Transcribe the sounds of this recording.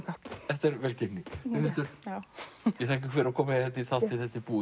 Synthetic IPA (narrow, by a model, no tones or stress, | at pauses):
kat̪θɛht̪ɛɾvɛlcɪnːɪɪvɪnt̪ʏɾ̥ | jjɛθaːhc̬ɪkvɪɾakʰɔːmaɛhɛt̪nɪθat̪ɪθɛht̪ːɪpuː